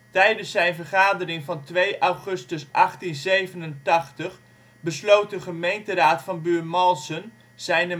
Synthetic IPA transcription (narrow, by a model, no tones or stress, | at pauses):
tɛjdənsːɛjnvərχaːdərɪŋvɑntʋejʔawχʏstəsʔɑχtinzejvənəntɑχtəχ | bəslowt̚dəχəmejntəraːtfɑnbyːmɑlˠsən | z̥ɛjnə